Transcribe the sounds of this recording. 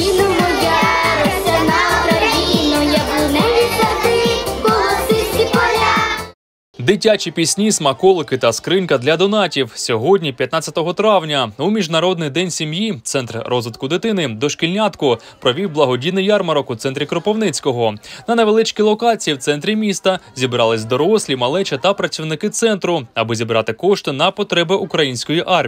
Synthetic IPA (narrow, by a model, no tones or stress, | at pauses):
inɔmɔjaɾɔsʲɐnɐkɾɐjinɔjɐbʊnɛʋʲisɐt̪ɪkɔlˠɔsɪsʲkʲipɐɾʲa | d̪ɪtʲat͡ʃʲipʲisʲnʲismɐkɔlˠɪkɪt̪ɐskɾɪnkɐd̪lʲɐd̪ɔnɑtʲiwsʲɔɦɔdʲnʲipʲjɐt̪nɑt͡sʲːɐt̪ɔɦɔt̪ɾɑwnʲɐumʲiʒnɐɾɔd̪nɪjd̪ɛnʲsʲimjit̪sɛnt̪rrɔzʋɪt̪kʊd̪ɪt̪ɪnɪd̪ɔʃkʲilʲnʲat̪kʊ | pɾɔʋʲiwblˠɐɦɔdʲinɪjɑrmɐɾɔkut̪sɛnt̪ɾʲikɾɔpɔwnɪt͡sʲkɔɦɔnɐnɐʋelˠɪt͡ʃkʲilˠɔkɑt͡sʲijiwt̪sɛnt̪ɾʲimʲist̪ɐzʲibɾɑlˠɪsʲd̪ɔɾɔsʲlʲimɐlˠɛt͡ʃɐt̪ɐpɾɐt͡sʲiwnɪkɪt̪sɛnt̪ɾʊɐbɪzʲibɾɑt̪ɪkɔʃt̪ɪnɐpɔt̪ɾɛbɪʔukɾɐjinʲsʲkɔjiʔɑr